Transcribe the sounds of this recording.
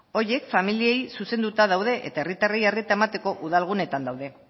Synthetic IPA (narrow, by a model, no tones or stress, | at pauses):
o̞ɾje̞kfamiliejsuse̞nd̪ut̪að̞awð̞e̞ʔet̪ae̞rit̪arejaret̪aemat̪e̞ko̞ʔuð̞alɣ̞une̞t̪and̪awðe̞